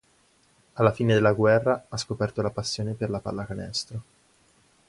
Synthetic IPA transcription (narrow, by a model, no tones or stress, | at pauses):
alːafiːned̪elːaɡwɛrːaaskopɛrt̪olapasːjoːneperlapa̰lːakanɛ̰st̪ɾo